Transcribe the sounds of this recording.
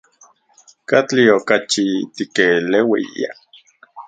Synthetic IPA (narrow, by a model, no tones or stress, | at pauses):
kat͡ɬiokat͡ʃit̪ikelewḭḭa̰